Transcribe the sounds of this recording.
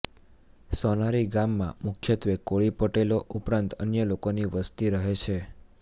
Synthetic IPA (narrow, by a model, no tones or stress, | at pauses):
sɔnaɾiɡamːã̰mʊkʰjət̪ʋekoɭipəʈeloʔupɾãnt̪ə̰njəlokoniʋəst̪iɾəɦet͡ʃʰe